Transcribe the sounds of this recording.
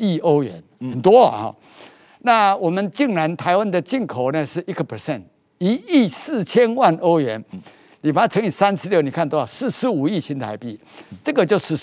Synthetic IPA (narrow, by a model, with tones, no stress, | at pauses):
i˥˩o˥ʊɥɛ̰˨˧˦nxə˨˩nt̪wɔ˦˨hɔ̰˨˩ | na˥˨wɔ˨˩mə˨nt͡ɕi˥˩ŋɻa˧˦nt̪ʰa˧˦ɪwa˦˥nd̪ə˨t͡ɕi˥˩nkʰo˨˩ʊnə˨ʂɻ̩˥˩i˦˥ɡə˨˩pʰə˨˩sɛ˥˨nt | i˧˦i˥˩sɹ̩˥˩t͡ɕʰjɛ˦nwa˥˧nʔo˥ʊɥɛ˧˥n | ni˨˩ba˨˩a˥˩t͡sʰɤ˧˥ŋi˨˩sa˦nʂɻ̩˧˥ljo˥˩ʊni˨˩kʰa˥˩nt̪wɔ˥˨˩sɹ̩˥˩ʂɻ̩˧˥u˨˩i˥˨˩t͡ɕʰi˧˥nt̪ʰa˧˦ɪpi˥˩ | ʈ͡ʂɤ˥˧˩ɡə˨t͡ɕjo˥˧ʊʂ̩˥˩